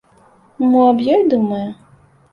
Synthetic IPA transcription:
muabjɔjd̪umɐjɛ

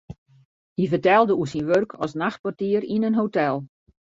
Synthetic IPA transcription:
hivərtɛlˠdəusinʋørkʰɔ̰snaxt̚pɔrtiəɾinənɦotɛlˠ

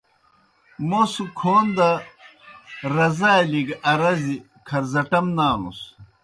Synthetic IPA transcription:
mosukʰoːnd̪ɐ | ɾɐzaːliɡɐɾɐzi | kʰɐɾzɐʈɐmnaːnṵs

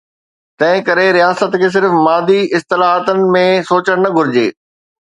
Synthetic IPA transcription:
t̪ɐ̃ɦɪ̃kɐɾeɾijaːsət̪kʰeːs̬ɪɾfmaːd̪iʔɪst̪ɪlaːɦət̪ənɪ̆mẽsoːt͡ɕəɽ̃nɐɡʱʊɾɪd͡ʑḛː

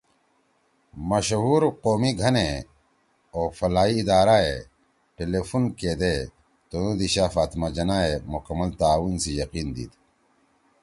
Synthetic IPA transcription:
mɐɕɦuːɾqoːmiɡʱɐne | oːfɐlaːiːd̪aːɾaːe | ʈelefunkeːd̪e | t̪onod̪iɕaːfaːt̪mad͡ʑɐnaːemukɐmːɐlt̪aːwunsijɐqiːnd̪ḭːt̪

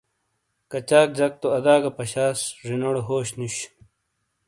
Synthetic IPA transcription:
kɐt͡ɕaːk̚d͡ʑɐk̚t̪oɐd̪aːɡɐpɐɕaːsʐinoɽoɦoːɕnuɕ

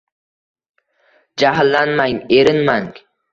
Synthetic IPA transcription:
d͡ʒaɦlːanmaŋeɾɪnmaŋ

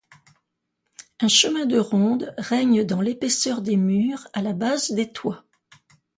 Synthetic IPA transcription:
ɛ̃ʃəmɛ̃d̪əʁɔ̃d̪ʁɛɲd̪ɑ̃lepesœʁd̪emyʁalabazd̪et̪wa

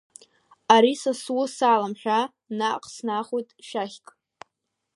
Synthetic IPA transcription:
aɾisaswʊsaːlamħʷᶣa | naqʼsnaχojtʼʃaχʲkʼ

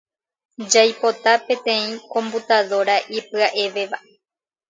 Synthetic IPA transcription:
d͡ʒajpo̞t̪apẽ̞t̪ẽ̞ĩkõ̞mbut̪aðo̞ɾaʔipɨaʔe̞ʋeʋaʔe

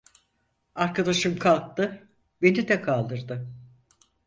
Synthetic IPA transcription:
aɾkad̪aʃɯmkʰalˠk̚t̪ɯ | be̞nid̪ɛkʰalˠd̪ɯɾd̪ɯ

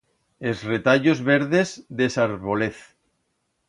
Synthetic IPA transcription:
ezret̪aʎozβeɾðezd̪esaɾβoleθ

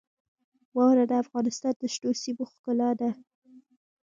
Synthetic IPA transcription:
wɑwɾad̪əafɣɑnɪst̪ɑnd̪əʃʈosiboxkəlɑd̪a

